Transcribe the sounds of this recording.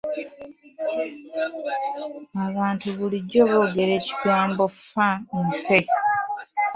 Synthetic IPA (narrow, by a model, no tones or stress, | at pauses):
aβaːntuβuliɟːo̞βo̞ːɡe̞ɾe̞ːci̥ɡaːmbo̞ffaemfe